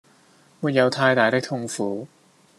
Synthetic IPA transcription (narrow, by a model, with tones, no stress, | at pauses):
muː˨t̚jɐ˨˧wt̪ʰaː˧jt̪aː˨˩jt̪ɪ˥k̚t̪ʰʊ˥ŋfuː˨˦